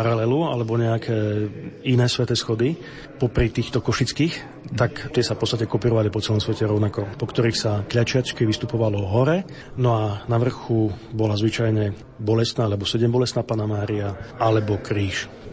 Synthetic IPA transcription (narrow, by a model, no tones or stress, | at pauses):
paɾalɛlua̰lɛbɔɲɛakʰɛːinɛːsʋɛt̪ɛsxɔd̪i | pɔpɾit̪iːxt̪ɔkɔʃit͡skiːx | t̪akt̪ɪɛsafpɔtt͡sst̪acɛkɔpiːɾɔʋalipɔt͡sɛlɔmsʋɛcɛɾɔʊnakɔpɔkt̪ɔɾiːxsakʎat͡ʃɪat͡ʃkiʋist̪upɔʋalɔɦɔɾɛ | nɔanaʋr̩xubɔlazʋit͡ʃajɲɛ | bɔlɛst̪naːalɛbɔsɛɟɛmbɔlɛst̪naːpaːnamaːɾiaalɛbɔkɾiːʃ